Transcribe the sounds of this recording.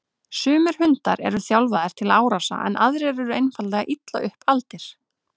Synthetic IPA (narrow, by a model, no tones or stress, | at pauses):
sʏːmʏɾ̥hʏnt̪aɾɛ̰ɾʏθjawlvaðɪɾ̥t̪ʰɪlaːwɾasa̰ʔɛ̰nʔaðɾɪɛɾɛɾʏejnfallɛɣaʔit̪la̰ʔʏhpalt̪ɪɾ̥